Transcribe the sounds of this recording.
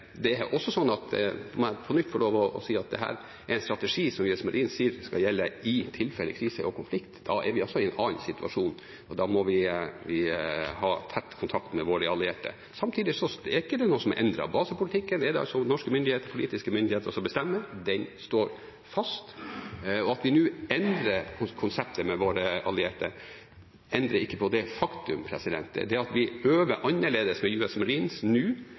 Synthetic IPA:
d̪ɛɛɾʔɔsːɔsɔnːɑt̪ɔmɑpʰɔnʏt̪ːfɔɭoːʋɔɔ̰siːɑt̪̚d̪ɛ̰ɦæ̰ːɾ | ɛɾɛɪnst̪ɾɑt̪əʂiːsɔmjøsmɛlʔinsiːɾskɑjɛlːəɪt̪ʰɪlfɛlːə̰kʰɾiːsəʔɔkʰʊnflɪkt̪d̪̥ɑɛɾʋɪɔsːɔɪɛnɑːnsɪt̪ʉɑ̰ʂuːn | ɔd̪ɑmɔʋɪʋɪhɑːt̪ʰɛt̪ːkʰʊnt̪ʰɑkt̪mɛʋoːɾəɑlɪeːʈə̰ | sɑmt̪ʰiːd̪ɪsɔɛɾɪkːəɖɛnuːəsɔmʔɛ̰nd̪ɾɑ̰bɑːsəpʊlɪt̪ʰɪkːənɛɖɛɑ̰lsɔnɔʂkəmʏnd̪ɪheːt̪əɾpʰʊliːt̪ɪskəmʏnd̪ɪeːt̪əɾɔsɔbəst̪ɛmːəd̪ɛnst̪oːɾ | fɑst̪ | ɔɑt̪ʋɪnʉːɛnd̪ɾəɾkʰʊnsɛpt̪ʰəmɛʋoːɾəʔɑ̰lɪeːʈə̰ | ɛnd̪ɾəɾɪkːəpʰɔd̪ɛfɑkt̪ʉmpʰɾɛsɪd̪ɛ̰nt̪ə̰d̪ɛɑt̪ʋɪhøːʋəɾʔɑnːəɭeːd̪əsmɛjʉːɛsmɾiːnsnʉː

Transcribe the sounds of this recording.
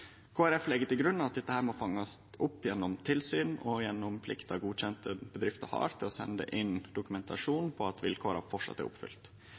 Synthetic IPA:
kʰoːæɾɛflɛɡːət̪ɪlɡɾʉnːɑʋɑt̪̚d̪ɛt̪ːəhæːɾmɔfɑŋːɑsʔʊpːjɛnːɔmt̪ʰɪlsyːnɔjɛnːɔmpʰlɪkt̪ɑɡuːçɛnt̪əbəd̪ɾɪft̪əɾhɑ̰ːɾt̪ʰɪlɔsɛ̰nəd̪ə̰ʔɪnd̪ʊkʉmɛnt̪ʰɑ̰ʂuːnpʰɔɑt̪ʋɪ̰lkʰoːɾɑ̰ɾfɔʈʂɑ̰t̪ːæ̰ɾʊ̰pfʏ̰lt̪

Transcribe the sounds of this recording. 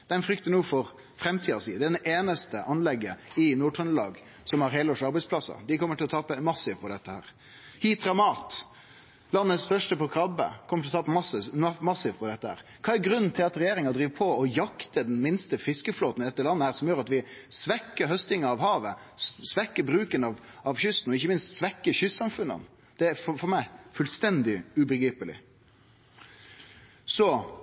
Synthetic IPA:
d̪ɛnfɾʏkt̪ənuːfɔɾ | fɾɛmt̪ʰiːɑsḭːd̪ɛd̪ɛʔeːnəst̪əʔɑnlɛɡːəɪnuːʈʰʁənəlɑ̰ːɡ | sɔmhɑɾɦeːləɔʂɑɾbɛɪspʰlɑsːɑ̰d̪ɪkʰɔmːəʈʰɪlɔt̪ʰɑːpəmɑsɪʋpʰɔd̪ɛt̪ːəhæ̰ːɾ | hiːt̪ɾɑmɑːt̪ | lɑnːəst̪œʂʈəpɔkʰɾɑbə̰kʰɔmːəʈʰɪlɔt̪ʰɑːpːəmɑsəmɑsɪʋpʰɔd̪ɛt̪ːəhæ̰ːɾkʰɑːæɾɡɾʉnn̩t̪ʰɪlɑt̪ɾɛjeːɾɪŋɑd̪ɾiːʋpʰɔɔjɑkt̪əd̪ɛnmɪnst̪əfɪskəfloːt̪nɪd̪ɛt̪ːəlɑnːəhæːɾsɔmjøːɾɑt̪ʋɪsʋɛkːəɾɦœst̪ɪŋɑɑʋhɑːʋə | sʋɛkːəɾbɾʉːkənɑʋ | ɑʋçʏst̪n̩ɔɪçːəmɪnst̪sʋɛkːəɾçʏsːɑmfʉnːə̰n | d̪̥ɛæfɔfɔɾmæɪfʉlst̪ɛnd̪ɪʉbəɡɾiːpəlɪ̰ | sɔ

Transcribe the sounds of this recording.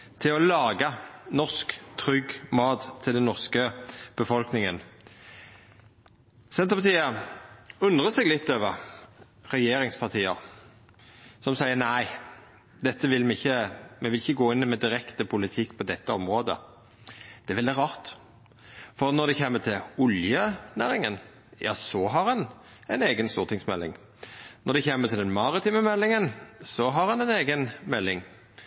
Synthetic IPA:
t̪ʰɪɔlɑːɡɑnɔʁskt̪ʰɾʏɡmɑːt̪t̪ʰːɪld̪ɛnːɔʁskəb̥əfɔlknɪŋən | sɛnt̪əpɑt̪ʰiːə | ʉnd̪ʁəsɛːɡlɪt̪ːøːʋəʁ | ʁɛjeːɾɪŋspʰɑʁt̪ʰiːəʁ | sɔmsæɪəʁnæɪ | d̪ɛt̪ːəʋɪlmɛɪçːəmɛʋɪlɪçːəɡoːɪnːmɛd̪ɪɾɛkt̪əpʰʊlɪt̪ʰɪkːpʰɔd̪ɛt̪ːəɔmʁoːd̪ə̰ | d̪̥ɛʋɛld̪ɪʁɑːɾt̪ | fɔʁnɔd̪ɛçeːmːət̪ʰɪlʊljənæːɾɪŋən | jɑ̰ːsɔɦɑʁɛn | ɛɪneːɡənst̪uːʁt̪ɪŋsmɛlːɪ̰ŋ | nɔɾd̪ɛçeːmət̪ʰɪld̪ɛnmɑɾɪt̪iːməmɛlːɪŋənsɔɦɑɾɛnɛneːɡənmɛlːɪŋ

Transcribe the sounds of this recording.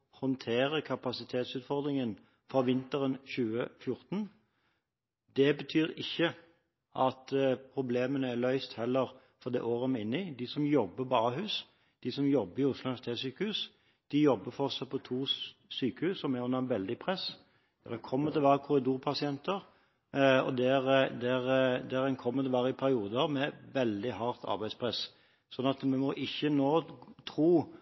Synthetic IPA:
hɔnt̪ʰeːɾəkʰɑpɑsɪt̪ʰeːt̪sʉːt̪fɔʁd̪ɾɪŋən | fɔʋɪnt̪əɾənɕʉːəfjʊʁt̪n | d̪ɛbət̪ʰyːɾɪçːə | ʔɑt̪pʰɾʊbleːmənəælœʏst̪hɛlːəɾ | fɔʁd̪ɛ̰ːʔoːʁəmɪnːɪd̪ɪsɔmjɔbːəbɑːɦʉːs | d̪̥ɪsɔmjɔbːəɾɪʊslʊɪæst̪ʰeːsyːkəhʉːs | d̪̥ɪjɔbːəfɔʁsɑpʰɔt̪ʰuːsyːkəhʉːsːɔmæɾʊnɑnʋɛld̪ɪpʰɾɛs | d̪̥ɛʁɛkʰɔmːəd̪ɛʋæːɾəkʰʊɾɪd̪uːɾpʰɑsɪɛnt̪əɾ | ɔ̰d̪ɛɾd̪ɛɾd̪ɛæɾɛnkʰɔmːəd̪əʋæːɾəɪpʰæɾɪuːd̪əɾmɛʋɛld̪ɪhɑʁt̪ʰɑ̰ɾbæɪspʰʁɛs | sɔnːɑt̪mɛmɔʔɪçːənoːt̪ʰɾuː

